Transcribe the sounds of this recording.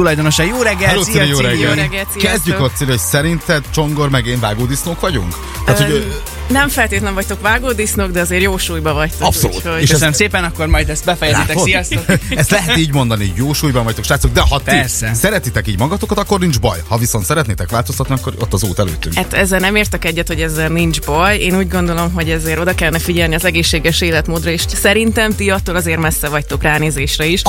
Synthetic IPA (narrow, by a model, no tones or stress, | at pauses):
t̪ulɒjd̪onoʃɛjoːɾɛɡːɛɛloːsseɾejoːɾɛɡɛɡɛlsikɛzɟykot̪seːljhosɛɾint̪ɛd̪t͡ʃo̞ŋɡo̞ɾmɛɡeːɱvaːɡoːd̪isnoːkʋɒɟuŋk | t̪aːt̪hoɟø | nɛɱfɛlt̪eːt̪lɛɱvɒc̚ʲt̪o̞kvaːɡoːd̪isnoɡd̪ɛɒzeːɾjoːʃuːjbɒvɒct̪oɒpsso̰lṵteʃøsɛnəmseːpɛnɒkːo̞rmɒjd̪ɛst̪bɛfɛjɛzit̪ɛkosijɒst̪oɛst̪lɛɦɛt̪iːɟmo̞nd̪ɒnijoːʃuːjbɒvɒct̪okʃaːt̪sok̚d̪ɛɦɒt̪iɛsɛɾɛt̪it̪ɛkiːɟmɒɡɒt̪okɑt̪ɒkːornind͡ʒbɒ̰jhɒviso̞nt̪sɛɾɛt̪neːt̪ɛkʋaːlt̪ost̪ɒt̪niɒkːoɾo̰t̪ːɒzuːt̪ɛlø̰ːt̪ːy̰ŋat̪ɛzːɛlnɛmeːrt̪ɛkɛɟːɛt̪ho̞ɟɛzːɛlnind͡ʒbɒjeːnuːɟɡo̞nd̪o̞lo̞mɦo̞ɟɛzeːɾo̞d̪ɒkɛlːɛnɛfiɟɛlniɒzɛɡeːʃːeːɡɛʃeːlɛt̪moːd̪rɒeːʃsɛɾint̪ɛmt̪iɒt̪ːoːlɒzeːrmɛsːɛvɒct̪okraːneːzeːʃrɛiʃ